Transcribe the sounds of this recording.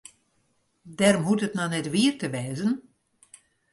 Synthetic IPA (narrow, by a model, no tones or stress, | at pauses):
dɛrmutətnanɛtʋiərtəʋɛːzən